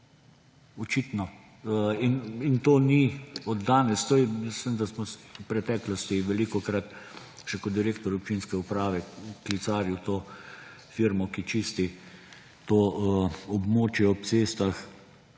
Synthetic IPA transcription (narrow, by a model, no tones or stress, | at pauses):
ɔt͡ʃit̪nɔ | inint̪oːniɔd̪ːaːnɛst̪ojɛmislimd̪asmɔwpɾɛt̪ɛːklɔst̪iʋɛlikɔkɾat̪ | ʃɛkɔt̪d̪iɾeːkt̪ɔɾɔp̚t͡ʃinskɛupɾaːʋɛklisaːɾjut̪oː | fiɾmɔkit͡ʃiːst̪i | t̪o | ɔbmoːt͡ʃjɛɔp̪̚t͡s̪eːst̪ax